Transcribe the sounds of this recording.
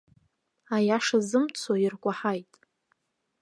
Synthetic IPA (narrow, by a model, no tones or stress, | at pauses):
ajaʂazɨmt͡sʰoirkʷʼaħajtʼ